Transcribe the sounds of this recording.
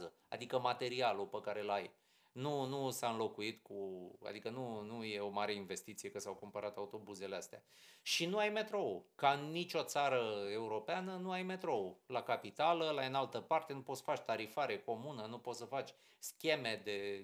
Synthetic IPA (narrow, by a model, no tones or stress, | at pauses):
zə | a̰d̪ikəmat̪e̞ɾialupəkaɾe̞laj | nunusaɨnlo̞kuit̪kua̰d̪ikənunuje̞o̞maɾe̞inve̞st̪it̪sije̞kəsawkumpəɾat̪aut̪o̞buze̞least̪ea̰ʃinuajme̞t̪ɾo̞ukaɨnːit͡ʃʲo̞t̪saɾəeuɾo̞peanənuajme̞t̪ɾo̞ulakapit̪aləlaɨnalt̪əpart̪e̞nupot̪sə̥fat͡ʃʲt̪aɾifaɾe̞ko̞munənupot̪səfat͡ʃʲ | skʲe̞me̞d̪e̞